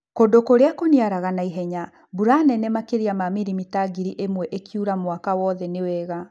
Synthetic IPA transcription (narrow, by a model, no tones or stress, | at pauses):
kodokoɾeakoniaɾaɣanaiɦɛɲa | buɾanɛnemakeɾiamamiɾimitaɡiɾiʔemwɛʔekʰiuɾamwakawɔðɛnewɛɣa